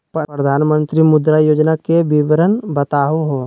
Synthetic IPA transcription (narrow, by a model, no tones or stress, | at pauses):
ppɾəd̪ʱaːnmə̃nt̪ɾimʊd̪ɾajoːd͡ʒnakebiʋɾənbɐt̪aːɦuɦoː